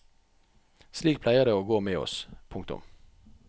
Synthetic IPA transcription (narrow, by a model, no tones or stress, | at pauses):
sliːk̚pʰlæɪəʁd̪eːoːɡoːmeːɔ̰spʰʊŋkt̪ʊ̰m